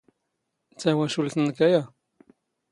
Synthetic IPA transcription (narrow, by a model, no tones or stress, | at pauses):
t͡sːæwæʃult̪nkæja